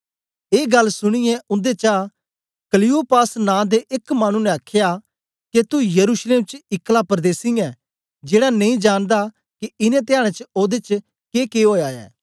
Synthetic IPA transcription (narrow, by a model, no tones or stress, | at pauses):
eːɡɐlsʊɽ̃ɪjɛʔʊ̃nd̪et͡ʃaː | kəlɪupaːsnãːd̪eʔɪkmaːɽ̃ũnɛ̃akʰja | ket̪ujɐɾuːsleːmt͡ʃɪklapəɾd̪eːsɪ̃jɛ̃ | d͡ʒeːɽanɐ̃ĩd͡ʒaːnd̪a | kiɪnɛ̃t̪̬ɪjaːɽ̃ẽt͡ʃoːd̪et͡ʃ | keːkeɦoːjaːɛ̰ː